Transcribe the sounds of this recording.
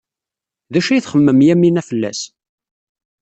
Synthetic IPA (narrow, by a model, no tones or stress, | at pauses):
ðæʃæjθχəmːəmjæminæfəlːæ̰s